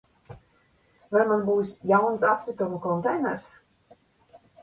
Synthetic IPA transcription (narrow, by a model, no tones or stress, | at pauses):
vaɾmanbuːsjawnsap̪vɨt̪umukɔnt̪ɛjnɛɾs